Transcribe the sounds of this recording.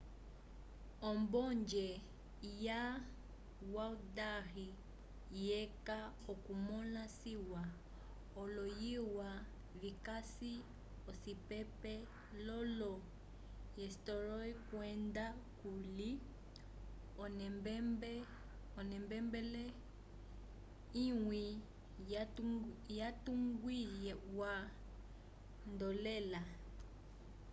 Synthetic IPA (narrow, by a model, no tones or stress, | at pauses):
ɔmbɔɲd͡ʒɛ | ja | waudahi | jɛkaɔkumɔnasiwa | ɔlɔjiwa | vikasi | ɔsipɛpɛ | lɔlɔ | jɛstɔɾɔikwɛndakuli | ɔnmbb | ɔnɛmbɛmbɛlɛ | iŋwi | jatuŋɡwijɛwa | ndɔlɛla